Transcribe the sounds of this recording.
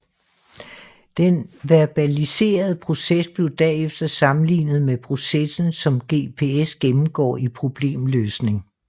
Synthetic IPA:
d̥enʋeɐb̥ælise̝̰ːɐð̞̩ˠpʰʁo̝sesb̥le̝ʊd̥ɛefd̥ɐsɑ̈mn̩lḭːnð̩ˠmepʰʁo̝sesn̩sɒ̽mɡ̥e̝̰ːpʰe̝esɡ̥emm̩ɡ̥ɒ̰ːipʰʁo̝b̥le̝̰ːmløːsne̝ŋ

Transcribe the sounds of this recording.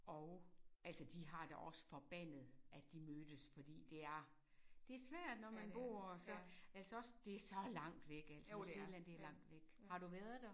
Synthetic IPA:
ʔɒʊʔælsɐd̥iɦɑ̈d̥æʔɒ̽sə̥fɒ̽b̥æn̰ð̩ˠʔæd̥imøːd̥əsfɒ̽d̥ḭːd̥e̝æɐ | d̥e̝æɐsʋæɐ̰d̥nɒmænb̥o̝̰ːɐsɒ̽ælsəɒ̽sd̥e̝æɐsɒ̽lɑ̈ŋ̰d̥ʋeɡ̥æl̰sseːlænd̥eæɐlɑ̈ŋ̰d̥ʋeɡ̥hɑ̈d̥uʋæɐðˠd̥æ

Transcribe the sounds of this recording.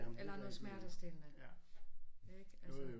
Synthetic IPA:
elɐnɔð̩ˠsmæɐɾ̥əsd̥elnə | eɡ̥æs

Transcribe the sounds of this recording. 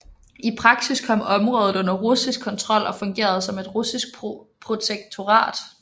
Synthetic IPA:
ʔipʰʁɑ̈ɡ̥siskʰɒ̽m̰ɒ̽mʁɔ̽ːð̞̩ˠɔ̽n̰ɐʁusisɡ̥̚kʰɒ̽nt͡sʰʁɒ̽l̰ʔɒ̽fɔ̽ŋɡ̥e̝̰ːɐð̞̩ˠsɒ̽me̝d̥ʁusisɡ̥̚pʰ | pʰʁo̝t͡sʰeɡ̥̚t͡sʰo̝ʁɑ̰̈ːd̥

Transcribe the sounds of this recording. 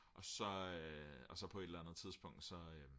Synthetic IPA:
ʔɒ̽sɒ̽øɒ̽sɒ̽pʰɒ̽e̝d̥lænð̩ˠt͡sʰið̞ˠsb̥ɔ̽ŋ̰d̥sɒ̽ø

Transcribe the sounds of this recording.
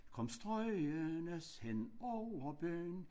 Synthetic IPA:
kʰɒ̽msd̥ʁɔɪɐnəshenɒʊɐb̥øːn

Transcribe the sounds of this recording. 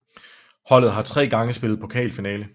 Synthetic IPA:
hɒ̽l̰ð̞̩ˠɦɑ̈t͡sʰʁɛ̰ːɡ̥ɑ̈ŋəsb̥e̝ləð̩ˠpʰo̽kʰɛ̰ːlfinɛːlə

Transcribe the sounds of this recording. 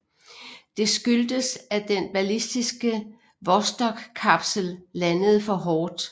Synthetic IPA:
d̥e̝sɡ̥yld̥əsæd̥enb̥ælisd̥isɡ̥ə | ʋɒsd̥ɒ̽ɡ̥kʰːɑ̈b̥səl̩lænəð̞̩ˠfɒ̽ɦɒːd̥

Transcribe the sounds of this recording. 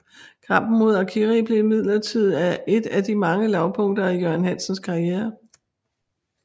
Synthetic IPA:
kʰɑ̈m̰b̥n̩mo̝ð̞̰ˠækʰiʁib̥le̝mið̞̰ˠlɐt͡sʰið̞̰ˠæe̝d̥æd̥imɑ̈ŋəlɑ̈ʊpʰɔ̽ŋ̰d̥ɐijøɐnhæn̰sən̩skʰɑ̈ieːɐ

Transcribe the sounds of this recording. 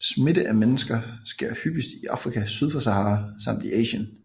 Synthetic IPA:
smidəʔæmenəsɡ̥ɐsɡ̥e̝ɐ̰hyb̥isd̥iʔɑ̈fʁikʰæsyð̞ˠfɒsæhɑ̈ːsɑ̈m̰d̥iʔɛːɕən

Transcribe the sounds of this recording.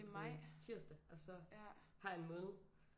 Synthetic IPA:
mɑɪ̰t͡sʰiɐ̰sd̥əæɒsɒ̽hɑ̈e̝nmɔ̽ːnð̩ˠ

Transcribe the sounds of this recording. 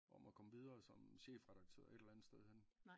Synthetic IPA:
ɒ̽mækʰɒ̽məʋið̞ˠɐːsɒ̽mɕḛːfʁɛɾ̥ɑ̈ɡ̥̚t͡sʰø̰ːɐ̰e̥elænð̩ˠsd̥eð̞ˠhen

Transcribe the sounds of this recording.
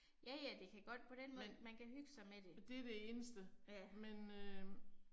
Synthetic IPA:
jæjæd̥e̝kʰæɡ̥ɒ̽d̥̚pʰɒ̽ɾ̥enmɔð̩ˠmænkʰæɦyɡ̥sɑ̈ɪmed̥e̝d̥e̝ɐdee̝ːnəsd̥əjæmenø

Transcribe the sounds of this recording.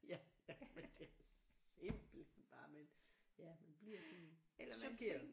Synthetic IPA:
jæmend̥e̝æsemb̥l̩enb̥ɑ̈ːmenjæmænb̥liɐ̰sɒnlɐsukʰeɐ

